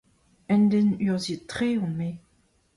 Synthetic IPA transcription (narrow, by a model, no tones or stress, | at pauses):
ɛndenyʁzitχeːɔ̃me